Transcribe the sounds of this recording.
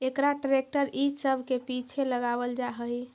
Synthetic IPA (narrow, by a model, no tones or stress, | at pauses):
ekɾaʈɾek̚ʈəɾid͡ʒsəbʱkepit͡ʃʰeləɡabəld͡ʒaɦəi